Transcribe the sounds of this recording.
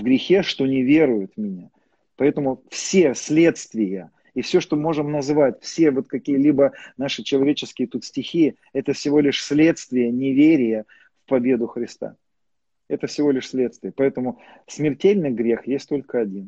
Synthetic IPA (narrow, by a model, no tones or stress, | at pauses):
vɡɾʲɪxʲeʂt̪o̞nʲɪvʲe̞ɾʊjʊt̪mʲɪnʲa | pɐɛt̪əmʊfsʲesʲlʲe̞t̪st̪vʲɪjə | ifsʲoʂt̪omo̞ʐɨmnɐzvatʲfsʲe̞vo̞t̪kɐkʲijəlʲibənaʂɨt͡ɕɪlˠɐvʲet͡ɕɪskʲɪjət̪ut̪sʲtʲɪxʲi | ɛt̪əfsʲɪvo̞lʲɪʂsʲlʲe̞t̪st̪vʲɪjənʲɪvʲeɾʲɪjə | fpɐbʲe̞d̪ʊxɾʲɪst̪a̰ | ɛt̪əfsʲɪvo̞lʲɪʂsʲlʲe̞t̪st̪vʲɪjəpɐɛt̪əmʊ | smʲɪrtʲelʲnɨjɡɾʲe̞xjesʲt̚ʲt̪o̞lʲkəɐdʲin